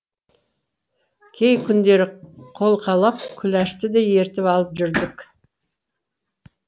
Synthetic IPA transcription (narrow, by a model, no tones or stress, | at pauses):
kʲʰejkʲʰʏnd̪e̞ɾɪqʰo̞lˠqʰɑlˠɑp̚kʲʰʏlæʃt̪ɪd̪eje̞ɾt̪ɪpɑlˠəpʒʏɾd̪ɪk